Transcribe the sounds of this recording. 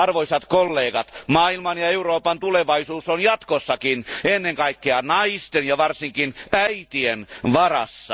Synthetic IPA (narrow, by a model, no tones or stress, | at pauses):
ɑrʋoisɑt̪kolːeːkɑt̪mɑːilmɑnjɑeuroːpɑnt̪uleʋɑisuːsonjɑt̪kosːɑkinenːeŋkɑikːeɑnɑist̪enjɑʋɑrsiŋkinæit̪ienʋɑrɑ̰sːɑ̰